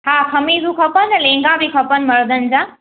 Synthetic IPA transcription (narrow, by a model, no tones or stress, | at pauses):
haːkʰɐmiːzukʰɐpənlẽːŋɡãbikʰɐpənmɐɾd̪ən̆d͡ʑaː